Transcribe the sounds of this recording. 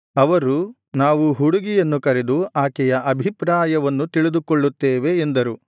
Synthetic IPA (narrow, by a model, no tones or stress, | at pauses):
ɐʋɐɾu | naːʋuɦuɽuɡijɐnːukɐɾed̪uaːkɛjɐʔɐbʱipɾaːjɐʋɐnːut̪iɭid̪ukoɭːut̪ːeːʋeːnd̪ɐɾu